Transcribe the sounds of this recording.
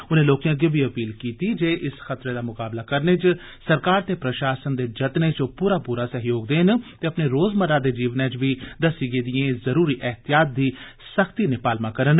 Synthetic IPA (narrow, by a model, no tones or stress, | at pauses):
ʊnẽːloːkjãːɡebʱiːəpiːlkiːt̪iːd͡ʒeːʔɪsxət̪ɾeːd̪aːmʊkaːblaːkəɾnet͡ʃ | səɾkaːɾt̪eːpɾəʃaːsənd̪eːd͡ʒət̪net͡ʃpuːɾaːpuːɾaːsəɦjoːɡd̪eːnt̪eːəpneːɾoːzməɾaːd̪eːd͡ʒiːʋnãːt͡ʃʋiːd̪əsiːɡeːd̪ɪjẽːzəɾuːɾiːʔɛɦt̪ɪjaːt̪̚d̪iː | səkʰt̪iːnɪpaːlmãːkəɾən